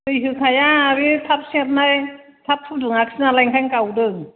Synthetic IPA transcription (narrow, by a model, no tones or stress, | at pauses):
ɯjɦɯkʰajaɾitʰap̚siat̚naj | tʰap̚tʰup̚dɯŋak̚sɯnalajŋkʰajŋkawdɯŋ